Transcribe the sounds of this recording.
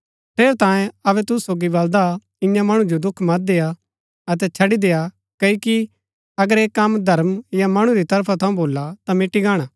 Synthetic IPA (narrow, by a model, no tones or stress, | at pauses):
pʰeːɾt̪ãːjẽɐbɛt̪ʊssːoːɡibɐld̪a | ɪ̃jãmɐɽ̃ud͡ʒod̪ʊkʰmɐt̪̚d̪eːja | ɐt̪̬ɛt͡ʃʰɐɽid̪eːja | kɐːoki | ɐɡəɾeːkːɐmd̪ʱɐɾmjamɐɽ̃uɾit̪ɐɾpʰat̪ʰɐ̃ũboːlat̪amɪʈiɡaːɽ̃aː